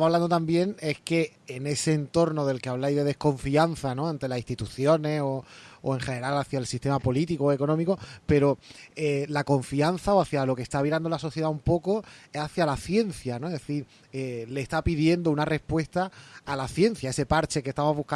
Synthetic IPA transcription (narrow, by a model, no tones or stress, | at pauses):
maβland̪ot̪ambje̞ŋe̞hke̞ː | ne̞se̞ːnt̪o̞ɾno̞ðe̞lke̞aβlajðe̞ðe̞hko̞ɱfian̟θanõ̞ant̪e̞lasist̪it̪uθjo̞ne̞so̞oe̞ŋxe̞ne̞ɾalaθjaelsist̪e̞mapo̞lit̪ikooeko̞nõmiko̞pe̞ɾo̞elako̞ɱfian̟θaoaθjalo̞ke̞st̪aβiɾand̪o̞laso̞θje̞ðaumpo̞ko̞eaθjalaθje̞n̟θjanoeðeθiɾ | ele̞ːst̪apiðje̞nd̪ounare̞hpwe̞st̪aːlaθje̞n̟θjae̞sepaɾt͡ʃe̞kest̪amoɦβuhka